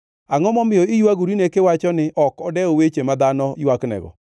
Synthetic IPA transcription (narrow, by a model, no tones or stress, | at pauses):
aŋɔmɔmɪjɔɪjuaɡuɾinekɪwat͡ʃɔnɪʔɔkɔdɛowet͡ʃemad̪anɔjaknɛ̰ɡɔ̰